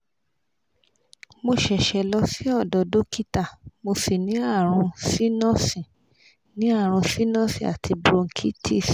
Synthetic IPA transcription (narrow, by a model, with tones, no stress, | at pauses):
mo˧ʃɛ˨ʃɛ˨lɔ˧si˦ɔ˦˨dɔ˨do˨˦ki˦ta˦˨mo˧si˨nĩ˨˦a˦˨ɾ̃ũ˧si˦nɔ̃˦sĩ˨ | nĩ˨˦a˦˨ɾ̃ũ˧si˦nɔ̃˦sḭ̃˦˨a̰˨tʰi˧bɾõ˧ŋ̩˨kʰi˦tʰi˦˨s